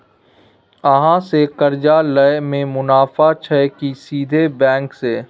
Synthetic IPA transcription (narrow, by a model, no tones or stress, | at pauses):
əɦãsekɐɾd͡ʒaləemẽmʊnaːfat͡ʃʰəkisiːd̪ʱebɛ̃ːŋkseː